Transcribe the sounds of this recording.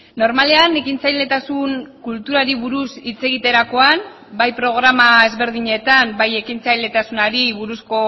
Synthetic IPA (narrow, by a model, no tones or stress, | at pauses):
no̞ɾmale̞anekint͡sajle̞t̪asuŋkult̪uɾaɾiβuɾusit͡se̞ɣ̞it̪e̞ɾako̞an | bajpɾo̞ɣ̞ɾamae̞zβe̞ɾðiɲe̞t̪ambaje̞kint͡sajle̞t̪asunaɾiβuɾusko̞